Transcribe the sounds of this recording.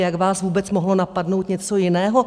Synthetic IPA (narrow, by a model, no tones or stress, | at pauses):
jaɡvaːsvuːbɛt͡smoɦlo̞napadno̞wt̪ɲɛt͡so̞jɪnɛːɦo